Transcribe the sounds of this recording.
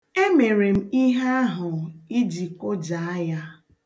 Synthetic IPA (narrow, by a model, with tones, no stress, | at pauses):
e˦me˨ɾe˨m̩˦i˦ɦe˦a˦ɦʊ˨i˦d͡ʒi˨kʊ˦d͡ʒa˨a˦ja˦